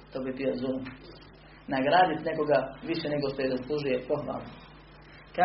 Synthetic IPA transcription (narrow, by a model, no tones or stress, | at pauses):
t̪oːbibiozuːm | naɡɾaːd̪it̪ne̞ko̞ɡaʋiʃeneɡo̞ʃt̪ojezaslˠuʒujepo̞xʋa̰ːlˠno | ka